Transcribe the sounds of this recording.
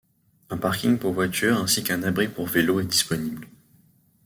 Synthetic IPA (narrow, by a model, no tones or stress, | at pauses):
ɛ̃paʁkʲiŋpuʁvwat̪ʰyʁɛ̃sikɛ̃nabʁipuʁveloɛd̪ispɔnibl